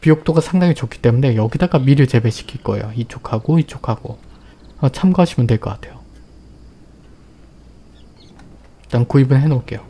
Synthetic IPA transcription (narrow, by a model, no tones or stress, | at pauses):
pijok̚t͈oɡasʰaŋdaŋit͡ɕokʰi̥t͈e̞mune̞jʌɡidaɡamiɾɯɭt͡ɕe̞be̞ɕʰi̥kʰiɭk͈ʌejoit͡ɕʰokʰaɡoit͡ɕʰokʰaɡ̥o̰ | at͡ɕʰamɡaɦaɕʰimɯntweɭk͈ʌk͈atʰe̞jo | t͈ankuibɯnɦe̞nok͈e̞jo